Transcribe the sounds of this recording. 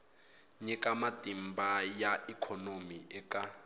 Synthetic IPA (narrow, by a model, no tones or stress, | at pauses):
ɲɛkamatʼimbajaikʰɔnomiʔɛka